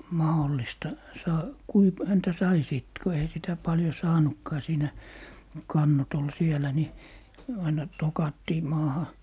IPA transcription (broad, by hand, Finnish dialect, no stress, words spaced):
mɑholːistɑ sɑː kui p hæntæ sɑi siˑt ku eĭhæ sitæ pɑljo sɑːnukːɑː siːnæ kɑnːot ol sielæ ni ɑinɑ tokɑtːiː mɑːhɑ